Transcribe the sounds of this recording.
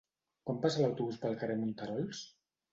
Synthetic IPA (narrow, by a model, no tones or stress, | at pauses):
kwampasəlawt̪uβuspəlˠkəremunt̪əɾɔlˠs